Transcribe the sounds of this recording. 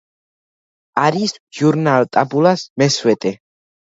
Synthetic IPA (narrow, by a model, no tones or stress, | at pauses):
aɾisʒuɾnalt̪ʼabulasmɛswɛt̪ʼɛ